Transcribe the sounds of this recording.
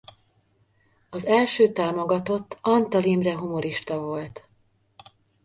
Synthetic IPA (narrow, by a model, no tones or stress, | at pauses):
ɒzɛlʃøːt̪aːmo̞ɡɒt̪o̞t̪ːɒnt̪ɒlimrɛɦumo̞ɾiʃt̪ɒvo̞lt̪